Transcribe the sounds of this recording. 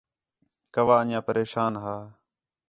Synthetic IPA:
kəʋaːəɲãːpəɾeːʃaːnɦaː

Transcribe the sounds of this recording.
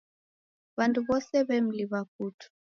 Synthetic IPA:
βantʰuβɔsɛβɛm̩liβakutʰu̥

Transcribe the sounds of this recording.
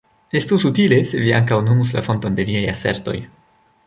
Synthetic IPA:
e̞stusutile̞se̞via̰ŋkawnumus̬la̰fo̞nto̞nde̞miajase̞̰ɾto̞̰j

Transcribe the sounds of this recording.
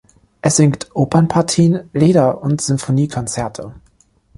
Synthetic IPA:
ʔɛsz̥ɪŋktʰʔoːpʰɐnpʰaɐtʰiːnleːdɐʔʊntz̥ʏmfoniːkʰɔnt͡sɛɐtʰə

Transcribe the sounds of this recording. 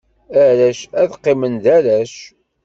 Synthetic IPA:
æɾæʃæðqːɪmənd̪æɾæʃ

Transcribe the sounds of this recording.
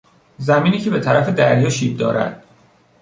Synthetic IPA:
zæmiːniːcʰe̞be̞t̪ʰæɾæfe̞d̪æɾjɒːʃiːb̚d̪ɒ̰ːɾæ̰d̪̥

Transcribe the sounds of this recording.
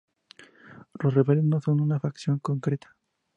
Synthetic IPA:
losreβeleznoso̞nunafaksjo̞ŋko̞ŋkɾet̪ʰḁ

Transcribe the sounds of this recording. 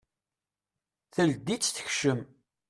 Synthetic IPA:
θəld̪it͡sːθə̥çʃəm

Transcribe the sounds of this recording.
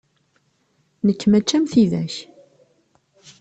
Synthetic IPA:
nəkːmæt͡ʃːæmθiðæ̰ç

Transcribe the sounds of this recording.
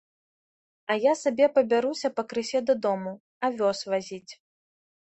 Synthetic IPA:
ɐjasabʲɛpɐbʲaɾusʲɐpɐkɾɨsʲɛd̪ɐd̪ɔmu | ɐvʲɔsvazʲit͡sʲ

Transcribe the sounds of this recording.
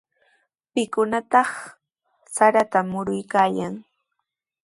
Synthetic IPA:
pɪkʊnat̪ɑχ | saɾat̪amʊɾʊjkaːjaŋ

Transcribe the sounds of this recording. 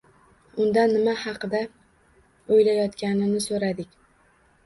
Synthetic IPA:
ʊnd̪anːɪmahɑqɨd̪a | ojlajɒt̪kʲanɪnɪsoɾad̪ɪkʲ

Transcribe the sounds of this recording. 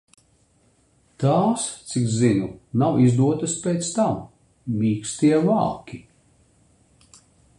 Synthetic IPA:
t̪aːst̪sikzinunawizd̪uɔt̪ɨspeːt̪st̪amː | iːkst̪iɛva̰ːkʲi

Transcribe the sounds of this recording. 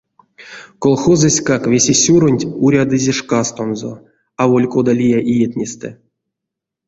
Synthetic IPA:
kolˠxozɨsʲkakvʲesʲesʲuɾonʲtʲuɾʲad̪ɨzʲeʂkast̪onzo̰ | avolʲkod̪alʲijaʔijet̪ʲnʲest̪ɛ

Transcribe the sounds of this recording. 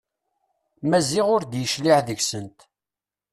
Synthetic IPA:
mæziʁʊɾd̪jəʃliʕðəçsənt̪

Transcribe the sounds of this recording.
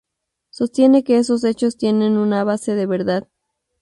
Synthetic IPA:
so̞st̪je̞ne̞ke̞eso̞s̬e̞t͡ʃo̞st̪je̞nẽ̞nunaβase̞ðe̞βe̞ɾðað

